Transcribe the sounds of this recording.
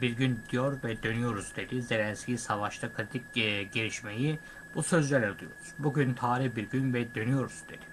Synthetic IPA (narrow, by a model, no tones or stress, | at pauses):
biɾɟynd̪ijo̞ɾvɛd̪ø̞nyjo̞ɾuzd̪e̞d̪ize̞lʲɛnscʲisavaʃt̪ʰakʰɯɾit̪ʰicːɟeɾiʃme̞ji | b̥usø̞zlʲelʲɛɾud̪ˠujo̞̰ɾuz̥buɟynt̪ʰaːɾihbiɾɟynvɛd̪ø̞nyjo̞ɾuzd̪e̞d̪̥i